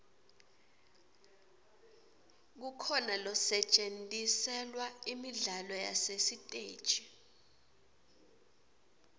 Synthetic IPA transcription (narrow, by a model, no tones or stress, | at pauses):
k̬ukʰɔnalɔsɛt͡ʃʼentʼisɛlwaimiɮalɔja̰sesitʼeːd̥t͡ʃʼi